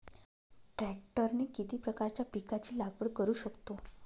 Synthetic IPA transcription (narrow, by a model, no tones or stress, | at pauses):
ʈɾæk̚ʈəɾnekit̪iːpɾəkaɾt͡ɕjapikat͡ɕiːlaɡʋəɽkəɾuːɕəkt̪o